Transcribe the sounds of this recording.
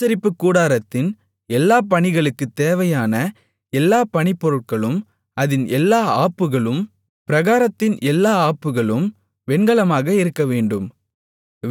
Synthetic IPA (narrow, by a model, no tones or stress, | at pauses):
t͡ʃɐɾɪpːɯkːuːɽaːɾɐt̪ːɪn | ɛlːaːpɐɳɪɣɐɭɯkːɯt̪ːeːʋɐjaːnɐ | ɛlːaːpɐɳɪpːɔɾɯʈ̚kɐɭɯm | ɐðɪnʔɛlːaːaːpːɯɣɐɭɯm | pɪɾɐɣaːɾɐt̪ːɪnʔɛlːaːaːpːɯɣɐɭɯm | ʋɛɳɡɐɭɐmaːɣɐɪɾɯkːɐʋeːɳɖɯm